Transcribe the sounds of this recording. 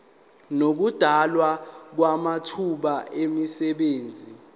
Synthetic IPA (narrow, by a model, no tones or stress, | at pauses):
nok̬ud̥ʱalwak̬wamatʰuɓaemisɛɓeːnd͡zʱi